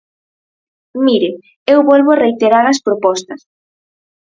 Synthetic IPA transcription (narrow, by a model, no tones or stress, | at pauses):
miɾɪ | ewβɔlβoarejt̪eɾaɾɐspɾopɔst̪ɐs